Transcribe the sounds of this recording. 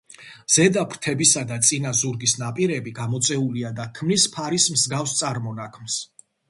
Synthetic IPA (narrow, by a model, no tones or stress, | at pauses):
z̥ɛd̪apʰɾt̪ʰɛbisad̪at̪sʼinazuɾɡisnapʼiɾɛbiɡamɔt̪sʼɛuliad̪akʰmnispʰaɾismzɡafst̪sʼaɾmɔnakʰms